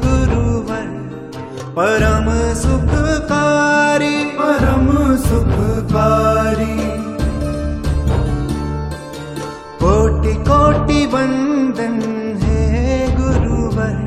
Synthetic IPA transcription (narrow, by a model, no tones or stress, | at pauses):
ɡʊɾuʋɐɾ | pɐɾɐmsʊkʰkaːɾipɐɾɐmsʊkʰkaːɾi | koːʈikoːʈibɐ̃nd̪ʱɐnɦeɡʊɾuʋɐɾ